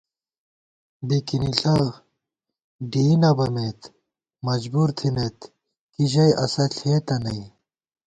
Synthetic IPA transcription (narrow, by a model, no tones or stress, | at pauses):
bikiniɬʰɐ | ɖiːnɐbɐmet̪ | mɐd͡ʑbuːɾt̪ʰimet̪ | kiʑɐjɐ̰sɐɬeːt̪ɐnɐi